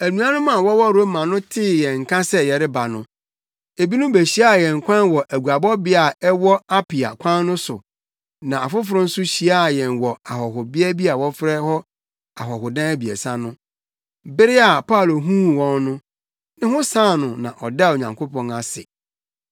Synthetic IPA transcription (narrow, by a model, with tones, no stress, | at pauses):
æ˨nũ˨ã˦nʊ̃˦mã˨wɔ˦wɔ˦ɾo˦mã˨nʊ̃˦tʰɪ˦˨jɛ̃˨ŋ̩˨kʰã˦sɛ˦jɛ˨ɾɪ˦ba˨nʊ̃˦ | e˨bi˦nʊ̃˦be˨ɕi˦a˦˨jɛ̃˨ŋ̩˨kʷʰã˦nwɔ˨ʔæ˨ɡu˨a˨bɔ˦bɪ˦a˨ɛ˦wɔ˦a˦pʰɪ˨a̰˨kʷʰã˦nːʊ̃˦sʊ˨ | nã˨a˨fʊ˦fʊ˨ɾʊ̃˦n̩˦sʊ˦ɕi˨a˦˨jɛ̃˨nwɔ˨a˨ɦɔ˨ɦʊ˨bɪ˦ɛ˦bi˦a˨wɔ˦fɾɛ˦hɔ˦ | a˨ɦɔ˨ɦʊ˨dã˦æ˦bi˨ɛ̰˨sã˦nʊ̃˦ | bɪ˦ɾɪ˦a˨pʰa˦˨lo˨ɦũː˦˨wɔ̃˦nnʊ̃˦ | nɪ̃˦hʊ̃˦sãː˦˨nʊ̃˨nã̰˨ʔɔ˨da˦˨o˨ɲã˨ŋkʰo˦pʰɔ̃˨na˨sɪ̰˨